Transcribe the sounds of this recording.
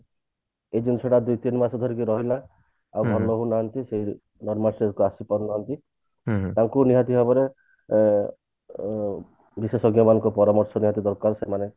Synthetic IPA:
ed͡ʒunsʰɔɽad̪ujt̪inmasɔd̪ʱɔɾikiɾɔɦila | awbʱɔlːɔɦunaɦɔnt̪iseɦi | nɔɾmalsekuasipɔnnaɦɔnt̪i | t̪aŋkuniɦat̪iɦabɔɾe | bisesɔɡjɔmanɔŋkɔpɔɾɔmɔɾsɔniɦat̪id̪ɔɾkaɾsemane

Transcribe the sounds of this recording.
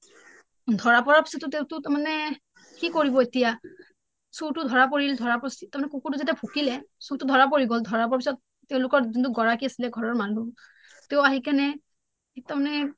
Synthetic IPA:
dʱɔɹapɔɹaɹpi̥sɔtːʊteʊtʊtaɹmanɛ | kikoɹibɔetija | sutʊdʱɔɹap̬oɹilɛdʱɔɹapɔsitaɹmanɛkukutuzatɛpʰukilɛsutʊdʱɔɹap̬oɹiɡɔldʱɔɹapɔɹaɹpisɔt̚ː | eʊ̃lʊkɔɹzint̬ʊɡɔɹakiasilɛɡʱɔɹɔɹmanu | teʊaɦikanɛ | tamanɛ

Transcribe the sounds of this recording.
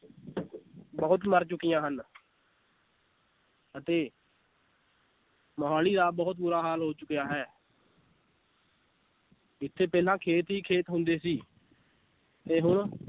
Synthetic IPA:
bəʊt̪məɾt͡ʃʊkijãːɦən | ət̪eː | məɦaːliːd̪aːbəʊt̪̚buːɾaːɦaːlɦoːt͡ʃʊkejaːɦɛː | ɪt̪ʰːeːpɛːlãːkʰeːt̪ɦiːkʰeːt̪ɦʊnd̪eːsiː | t̪eːɦʊɽ

